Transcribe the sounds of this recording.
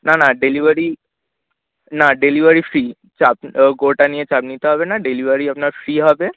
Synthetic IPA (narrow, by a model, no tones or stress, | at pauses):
nanaɖeliʋəɾi | naɖeliʋəɾifɾiː | t͡ʃapɡoʈaniet͡ʃap̚nit̪aɦəʋenaɖeliʋəɾiapnafɾiɦəʋe